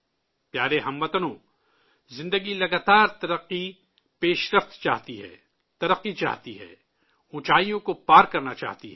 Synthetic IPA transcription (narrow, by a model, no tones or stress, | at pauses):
pjaːɾeɦɐ̃mʋɐt̪ənõ | zɪ̃nd̪əɡilɐɡaːt̪aːɾt̪ɐɾɐqːi | peːʃɾəft̪t͡ʃa̰ːɦt̪iɦɛ̰ː | t̪ɐɾəqːit͡ʃa̰ːɦt̪iɦɛ̰ː | ʊ̃t͡ʃaːijõkopaːɾkɐɾnat͡ʃa̰ːɦt̪iɦɛ